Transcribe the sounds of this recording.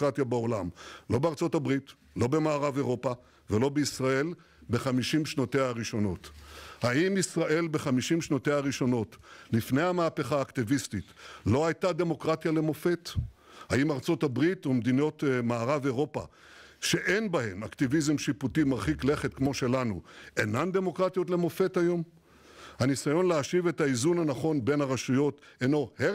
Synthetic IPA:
ʁatjabeo̞lamlo̞beaʁt͡sotabʁit | lo̞be̞maːʁave̞ʁo̞pa | velo̞beisʁae̞l | be̞χamiʃimʃnoteaaʁiʃo̞no̞thaimisʁaʔe̞lbe̞χamiʃimʃnoteaʁiʃo̞no̞tlifnejamaːpe̞χaːktivistitlo̞ajtade̞mo̞kʁatjale̞mo̞fe̞t | haimaʁt͡so̞tabʁitumd̪ino̞tmaːʁaveʁo̞pa̰ | ʃe̞ʔenbahe̞maktivizemʃiputimaʁχikle̞χet̪kmo̞ʃe̞lanṵenand̪e̞mo̞kʁatjo̞tle̞mo̞fe̞tajo̞m | hanisajo̞nleaʃive̞thaizunanaχo̞nbe̞nhaʁaʃujo̞t | eno̞he

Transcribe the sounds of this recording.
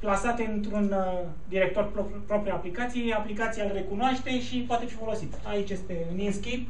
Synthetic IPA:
plasat̪e̞ɨnt̪ɾun | d̪iɾe̞kt̪o̞rpo | pɾo̞pɾiaplikat̪sijeaplikat̪sijalre̞kunoaʃt̪e̞ʃipoat̪e̞fifo̞lo̞sit̪ait͡ʃje̞st̪e̞ɨninskʲip

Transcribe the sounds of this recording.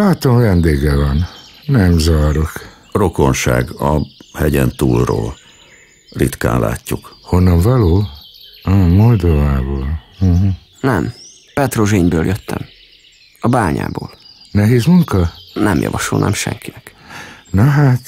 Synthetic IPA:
laːt̪omvɛnd̪eːɡɛvɒnnɛmzɒɾok | ro̞ko̞nʃaːɡɒhɛɟɛnt̪uːlroːl | rit̪ka̰ːnlːa̰ːcːukhonːɒɱvɒloː | ɒmold̪ovaːboːl̩ɦ̩ | nɛm | pɛt̪roʒeːɲbøːljøt̪ːɛm | ɒbaːɲa̰ːboːlnɛɦeːzmuŋkɒnɛmjɒ̰vɒʃolnʔaːmʃɛ̰ŋkinɛknɒɦaːt̪

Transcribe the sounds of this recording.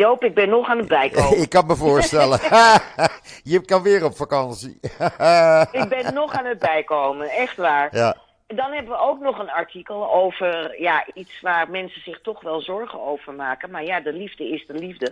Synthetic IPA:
jowpɪɡ̚bɛnːɔχaːnətbɛjkoɪkːɑnməvʊːɹstɛlə | jəkɑnʋɪːɾɔpfakɑnsḭ | ɪɡ̚bɛnːɔχaːnət̚bɛjkowmənɛχtʋaːɹja | ndɑnɦɛbəʋəowknɔχənɑɹtikəlˠowvərjaʔitsʋaːrmɛnsəz̥ɪχtɔχʋɛlˠzɔɹχənowvəɹmaːkənmaːɹjaːdəlivdəɪsdəlivdə

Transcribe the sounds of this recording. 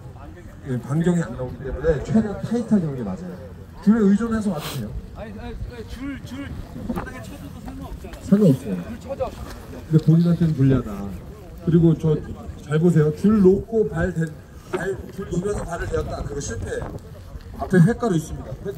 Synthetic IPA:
jekaŋɡjʌŋianːaoɡit͈e̞mune̞t͡ɕʰwe̞dʌtʰaitʰaɡjʌŋɡemad͡ʑajo | t͡ɕuɾeɯid͡ʑʌnes̬ʰʌmatsʰejo | sʰamʌʌp̚s͈ʌjo | kɯndepoɲinant͈ʰenɯnkoʎːada | kɯɾiɡot͡ɕʌt͡ɕaɭbos̬ʰe̞jot͡ɕuɭːokʰopaɭten | at͡ɕuɭnobjʌsʰʌpaɾɯɭteak̚t͈akɯɾɯɡʌɕʰiɭt͈e̞ | apʰeɸe̞k͈aɾois͈ɯmɲik͈akɯɾe

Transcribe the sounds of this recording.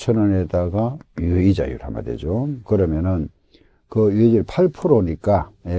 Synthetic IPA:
t͡ɕʰʌnʌnedaɡajuid͡ʑa̰jṵɾɦa̰ma̰dḛd͡ʑokɯɾʌmjʌnɯn | kɯjued͡ʑiɾpʰaɭpʰuɾoɲik͈aje

